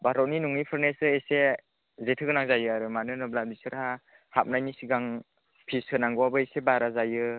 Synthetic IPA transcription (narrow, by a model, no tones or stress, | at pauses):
baɾɔt̚ninuŋnipʰɯɾnesɯese | zetʰɯɡɯnaŋzajɯaɾɯmanɯnɯblabisɯɾha | hap̚najnisiɡaŋ | pʰisɯnaŋɡɔwabɯesebaɾazajɯ